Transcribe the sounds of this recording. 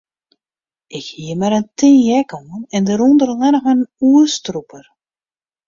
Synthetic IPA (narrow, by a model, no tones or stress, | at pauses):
ʔɪkhiəmɛɾəntʰɪ̃ːjɛkoənɛndəɾondərlɛnəxənuəstrupʰər